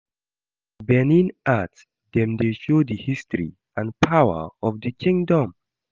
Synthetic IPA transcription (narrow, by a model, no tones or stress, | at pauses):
bɛnĩnat | dɛ̃mdeʃodəhistɹḭ | ãnpʰawə̰ɔvdəkʰĩŋdɔ̃m